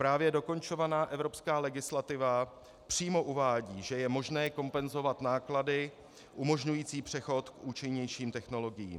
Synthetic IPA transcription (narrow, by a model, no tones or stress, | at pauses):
pɾaːvjɛdo̞ko̞nt͡ʃo̞vanaːʔɛvɾo̞pskaːlɛɡɪslat̪ɪva | pr̝̥iːmo̞ʔuvaːɟiːʒɛjɛmo̞ʒnɛːko̞mpɛnzo̞vat̪naːkladɪ | ʔumo̞ʒɲujiːt͡siːpr̥ɛxo̞t̪kʔuːt͡ʃɪɲɛjʃiːmt̪ɛxno̞lo̞ɡɪjḭːm